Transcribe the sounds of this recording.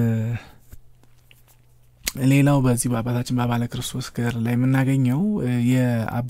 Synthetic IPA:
le̞lawbəzːihbəabat̪ʰat͡ʃːɪnbaβaləkɨɾɨst̪ʰo̞sɡəɾlajmːɨnːaɡəɲːəwjɛa̰

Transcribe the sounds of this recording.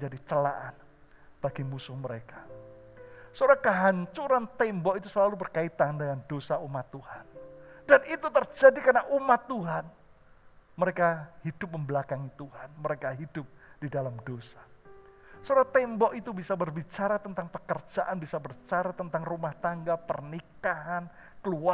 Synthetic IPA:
məɲd͡ʒadit͡ʃəla̰ʔan | b̥aɡimusʊhməɾekḁ | sodakəɦaɲt͡ʃuɾant̪ɛmbɔkit̪usəlalubərkait̪andəŋandosaumat̪ːuhandanit̪ut̪ərd͡ʒadikarnaʔumat̪ːuɦan | məɾekahidʊp̚məmbəlakaŋit̪uɦanməɾekaɦidʊp̚d̥idalamdosḁ | sodat̪ɛmbɔʔit̪ubisabərbit͡ʃaɾat̪ənt̪aŋpəkərd͡ʒaʔanbisabərt͡ʃaɾat̪ənt̪aŋrumaht̪aŋɡapərnikaɦan | kəlua

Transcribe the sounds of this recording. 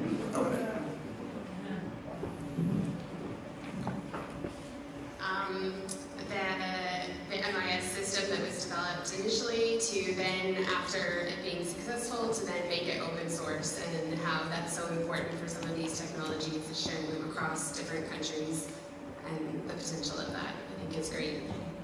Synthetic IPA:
o | ʔʌ̃m | ðɨ | ðiʔɛmaɪɨsɪstɨ̃mðɨʔ̚wʌzdɨvɛlˠəp̚tɨnɪʃl̩ˠiɾʰʉðɨ̃næ̰ftə˞ɪ̰t̚b̥iɪ̃ŋsɨksɛsfl̩ˠtʰɨðɨ̃nmeɪkɨ̰ɾʔo̰ʊpɨ̃nsɔɹsɨ̰̃nɦaʊðætsoʊɨ̃mpʰɔɹʔn̩tfə˞sʌ̃mʌvðiz̥tʰɛk̚nɑlˠəd͡ʒiz̥ɨʃɛ̃ŋɨ̃məkʰɹ̥ɔsd̥ɪfɹɨ̃nkʰʌ̃nt͡ʃɹ̥iz | ʔɨ̃nðɨpʰɨ̥tʰɛ̃nʃl̩ˠʌ̰vðæ̰t̚aɪθɪ̃ŋkɨtsɡ̥ɹeɪt̚

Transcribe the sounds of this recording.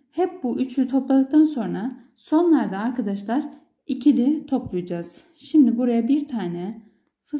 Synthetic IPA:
hɛp̚buʔyt͡ʃʰlyt̪ʰo̞plˠalˠɯk̚t̪ʰanso̞nɾa | so̞nlˠaɾd̪aːɾkʰad̪aʃlˠaɾ | icʰilʲit̪ʰo̞plˠujad͡ʒaz̥ | ʃimd̪ibuɾajabiɾt̪ʰaːnɛ | fɯ

